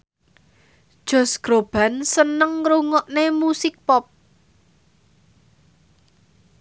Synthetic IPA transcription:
d̥ʒ̥ɔ̤sɡ̥ɾob̥a̤nsənəŋɾuŋɔʔnemusɪk̚pɔp̚

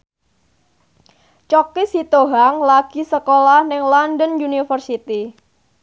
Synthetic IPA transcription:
t͡ʃɔkisit̪oɦaŋlaɡ̥isəkolahnɪŋlɔndənjunifərsit̪i

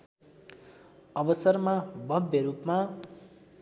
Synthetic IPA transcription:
ʌbʌsʌrmabʱʌbjʌɾupma

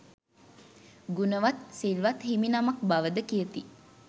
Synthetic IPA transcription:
ɡunəʋat̪silʋat̪himinamak̚baʋəd̪əkijət̪i

